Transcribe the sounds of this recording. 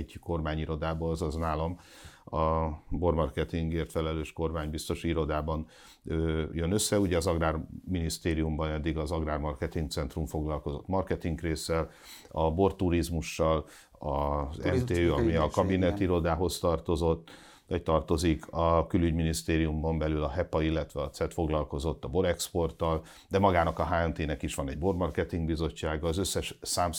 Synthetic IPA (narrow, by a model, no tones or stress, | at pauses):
ɟko̞rmaːɲiɾo̞d̪aːbozɒznaːlɒmɒbo̞rmɒrkɛt̪iŋɡeːrt̪fɛlɛløːʃko̞rmaːɲbist̪o̞ʃuiɾo̞d̪aːbɒn | øjønø̞sːɛuɟɛɒzɒɡraːrminist̪eːɾijumbɒnɛd̪ːiɡɒzɒɡraːrmɒrkɛt̪iŋk̚t̪sɛnt̪ruɱfo̞ɡlɒlko̞zo̞t̪mɒrkɛt̪iŋkreːsːɛl | ɒbo̞rt̪uɾizmuʃːɒl | ɒzɛɛmt̪eːøːɒmiɒkɒbinɛt̪iɾod̪aːɦo̞st̪ɒrt̪o̞zo̞t̪ː | nɒct̪ɒrt̪o̞zikʰɒkylyɟminist̪eːɾijumbombɛlylɒɦɛpɒilːɛt̪ʋɛɒt̪sɛt̪fo̞ɡlɒlko̞zo̞t̪ːɒbo̞ɾɛkspo̞rt̪ːɒl | d̪ɛmɒɡaːnɒkɒɦaːɛnt̪eːnɛkiʃʋɒnɛɟbo̞rmɒrkɛt̪iŋɡbizo̞t͡ʃːaːɡɒːzø̞sːɛʃsaːm